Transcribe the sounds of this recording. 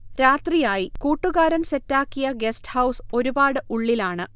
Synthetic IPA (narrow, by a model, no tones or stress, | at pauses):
ɾaːt̪rijaːjikuːʈːuɣaːɾɐnse̞tːaːkːijɐɡesthɐwso̞ɾubaːɽɨʔuɭːilaːɳɨ